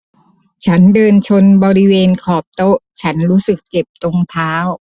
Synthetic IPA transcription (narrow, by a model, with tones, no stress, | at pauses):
t͡ɕʰa˦˥ndɤː˧nt͡ɕʰo˧nbɔː˧ɾi˦˥weː˧nkʰɔː˨˩p̚t̪o˦˥t͡ɕʰa˦˥nɾuː˦˥sɯ˨˩k̚t͡ɕe˨˩p̚t̪o˧ŋt̪ʰaː˦˥w